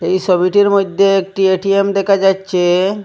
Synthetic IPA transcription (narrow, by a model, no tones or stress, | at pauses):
ejʃɔbiʈiɾmojd̪ʱːeek̚ʈieʈiemd̪ɛkʰad͡ʑatːɕʰe